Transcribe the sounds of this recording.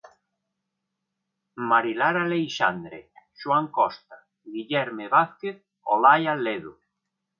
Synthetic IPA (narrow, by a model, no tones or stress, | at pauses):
maɾilaɾalejʃa̰nd̪ɾḛʃwaŋkɔst̪a | ɣiʎɛɾmeβaθkeθ | o̰lajaleðu